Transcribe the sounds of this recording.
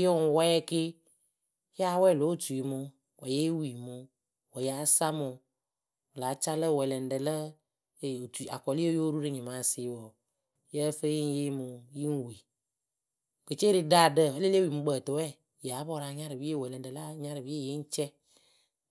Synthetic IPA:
jo˦ŋ˨wɛ˦ɛ˦ke˦ | ja˦wɛ˦˨lo˨˦tu˨i˨mʊ˨ | wɔ˨je˦wi˨mʊ˨ | wɔ˨ja˨˦sa˦mʊ˨ | la˨˦t͡ʃa˦lə˦˨wɛ˨lɛ˨n˨ɖə˨lə˦˨ | o˨tu˨a̰˨kɔ˨li˦jo˦ɾu˦ɖe˦ɲĩ˨mã˨˦˨sɪ˨˦wɔ˨ | jə˦fe˦ji˦ŋ̩˦je˦mu˨ji˦ŋ̩˦wi˨ | ke˨t͡ʃe˦ɾe˦da˦˨də˨e˦le˦le˦wi˨mu˨ɡ͡bə˨t̪o˨wɛ˦˨ | ja˨˦bɔ˦˨ɾa˨˦ɲã˦ɾɨ˨wi˦e˦˨wɛ˨lɛ˨n˨də˨la˦ɲã˦ɾɨ˨vi˦e˦je˦ŋ̩˦t͡ʃɛ˦

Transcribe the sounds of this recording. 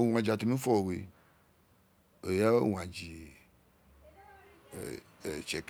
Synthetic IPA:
o˨w̃ã˨d͡ʒi˨a˨t̪u˨nũ˦fɔ˦o˨we˨ | e˨ja˦˨w̃ã˨d͡ʒi˨ | t͡ʃɛ˨k

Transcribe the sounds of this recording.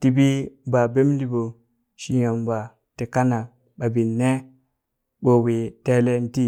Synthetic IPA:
ti˨bi˦ba˨be˦m˦di˦bo˨ | ʃi˨ja˨mba˨ | te˨ka˦na˨ | ba˨bi˨nːe˦ | bo˨wi˨te˦le˦n˦ti˦

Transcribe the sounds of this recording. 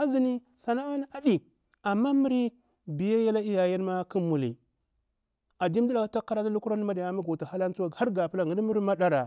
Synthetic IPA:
a˦zi˦ni˦ | sa˨na˦a˦n˦a˨di˨ | a˨mːa˦mi˦ɾi˦ | bi˨ja˦ja˦la˦i˦ja˨ja˦n˦ma˦ki˦mu˨lḭ˨ | a˨di˦m˦di˦la˨ka˦ta˦kːa˦ɾa˦ta˦lu˦ku˦ɾa˦n˦ma˦da˨ja˦mi˦ɡo˨ta˨ha˦la˦n˦t͡su˦wa˦ɡa˦ɾɡa˨pu˦la˦ŋɡi˨dmi˦ɾi˦ma˦ɗa˦ɾa˨

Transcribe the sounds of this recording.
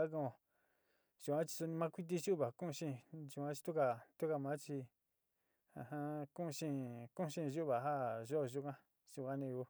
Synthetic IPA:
a˦k̬õ˧o˨ | ʒ̥u˨˧kã˦t͡ʃi̥˧su˧nĩ˧mã˦kʷi˦t̪̬i˧ʒu˦˨βa˨kũ˦˧ʃĩ˦˧˨ʒu˧˨ã˦t͡ʃi̥˧t̪u˦ka˧t̪u˦ka˧˨mã˦t͡ʃi˧ | ã̰˧hã˧kũ˦ʔʃĩ˦˧kũ˦˧ʃĩ˦˧ʒu˦ʔβa˨ɦa˦ʒo˦˨ʒu˦kã˦ | ʒ̥u˧kʷã˦nĩ˧ju˧˦

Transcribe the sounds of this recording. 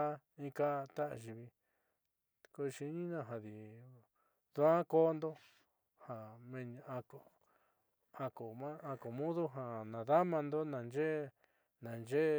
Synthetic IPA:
a˦ | ĩ˦ka˦˧t̪a˦ʔʒi˧βi˧ | ko˧ʃi˧˦ɲĩ˦nã˧˨ɦã˧ði˨ | ðu˦ã˦koː˦nd̪o˦ | hã˨mẽ˧ɲ̃˧a˧ko˨ | ã˧ko˨mã˦a˧ko˨mũ˦ðu˦ɦã˨nã˨ða˦mã˧nd̪o˦nã˨nd͡ʒe˦ | nã˨nd͡ʒe˦

